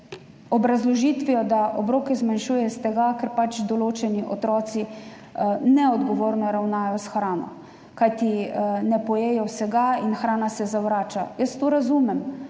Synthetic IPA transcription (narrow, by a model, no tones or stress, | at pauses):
ɔbɾazlɔʒiːt̪ʋiɔd̪aʔɔbɾoːkɛzmanʃuːjɛst̪ɛɡakɛɾpat͡ʃd̪ɔloːt͡ʃɛniʔɔt̪ɾɔːt̪si | nɛɔd̪ɡɔʋoːɾnɔɾawnaːjɔsxɾaːnɔ̰ | kajt̪inɛpɔjeːjɔwsɛɡainxɾaːnasɛzawɾaːt͡ʃa̰jəst̪oːɾazumɛm